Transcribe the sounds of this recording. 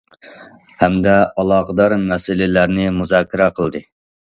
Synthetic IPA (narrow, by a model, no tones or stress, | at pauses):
hɛmd̪ɛɑlˠɑːqəd̪ɑɾmɛsɪlɪlæɾnɪmuzɑːkʲʰːɪɾɛqʰəlˠd̪ɨ